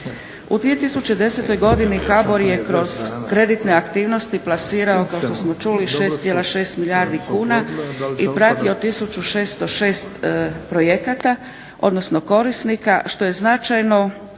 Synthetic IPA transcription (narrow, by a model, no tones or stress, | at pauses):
ṵd̪ʋije̞t̪isut͡ɕe̞d̪e̞se̞t̪o̞jɡo̞d̪inikabo̞ɾje̞kɾo̞z̥kɾe̞d̪it̪ne̞akt̪iːʋno̞st̪iplasiːɾao̞kaoʃt̪o̞smo̞t͡ʃuliʃe̞ːst̪sjelaʃe̞ːst̪miljaːɾd̪ikuːnaipɾat̪io̞t̪isut͡ʃuʃe̞ːst̪o̞ʃe̞ːst̪pɾo̞jekat̪a | o̞̰d̪no̞sno̞ko̞ɾisnikaʃt̪o̞je̞znat͡ʃajno̞